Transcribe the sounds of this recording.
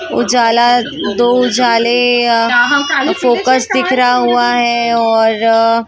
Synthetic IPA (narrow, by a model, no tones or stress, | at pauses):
ʊ̰d͡ʒaːla | d̪oːʊd͡ʒaːle | foːkəsd̪ɪkʰɾaɦuaɦɛɔːɾ